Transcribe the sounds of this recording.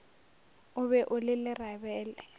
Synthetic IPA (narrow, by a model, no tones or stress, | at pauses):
ʊβɛʔʊlɪlɪrabɛːlɛ